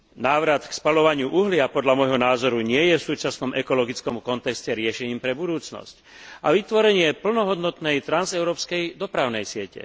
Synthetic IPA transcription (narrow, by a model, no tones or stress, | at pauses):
naːʋɾat̪kspalɔʋaɲɪuʔuɦlɪapɔd̪ʎamɔjɦɔnaːzɔɾuɲɪɛjɛfsuːt͡ʃasnɔmɛkɔlɔɡit͡skɔmkɔnt̪ɛkscɛɾɪɛʃɛɲiːmpɾɛbud̪uːt͡snɔ̰sc | ʔaʋit̪ʋɔɾɛɲɪɛpl̩nɔɦɔd̪nɔt̪nɛjt̪ɾanzɛʊɾɔːpskɛjd̪ɔpɾaʊnɛjsɪɛcɛ̰